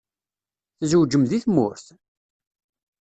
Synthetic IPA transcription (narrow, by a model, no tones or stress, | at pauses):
θzuwd͡ʒəmðiθmʊ̰ɾθ